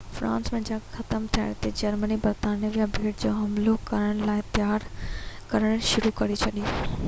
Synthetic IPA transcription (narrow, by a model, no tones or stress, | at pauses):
fɾʔã̰ːnsmɐ̃ɪ̃ɲd͡ʑaːxɐt̪əmt̪ʰiəɽ̃t̪ed͡ʑɐɾmənibɐɾt̪aːnijəʋijabʱeːʈd͡ʑoːɦɐmlokɐɾəɽ̃laːɪt̪ɪjaːɾkɐɾəɽ̃ʃʊɾukɐɾit͡ɕʰɐɗi